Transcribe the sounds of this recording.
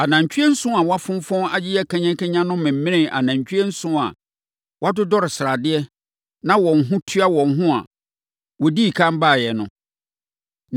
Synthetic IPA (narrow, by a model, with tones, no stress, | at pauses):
a˨nã˨ɲ˨t͡ɕʰᶣi˦ɛ˦n̩˦sʊ̃˦a˨wɔ˦a˦fʊ̃˦m˦fɔ̃˦a˨d͡ʑɪ˦jɛ˦kʰã˦ɲɛ̃˦ŋkɛ̃˦ɲã˦nʊ̃˦mɪ̃˨m̩˦mɪ̃˦nɪ̃˦˨ʔa̰˨nã˨ɲ˨t͡ɕᶣɛ˦n̩˦sʊ̃˦a̰˨ | wa˦dʊ˦dɔ˦ɾɪ˨sɾa˨dɪ˦ɛ˦ | nã˦wɔ̃˨n̩˨ɦʊ̃˦tʰu˦a˦wɔ̃˨n̩˦ɦʊ̃˦a̰˨ | wɔ˨di˦˨kʰã˦m˦ba˦˨jɛ˨nʊ̰̃˨